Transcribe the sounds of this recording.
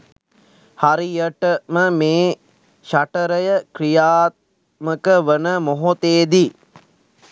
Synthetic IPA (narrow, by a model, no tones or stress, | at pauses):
haɾijəʈəməmeː | ʃaʈəɾəjəkrijaːt̪̚ | məkəʋənəmoɦot̪eːd̪i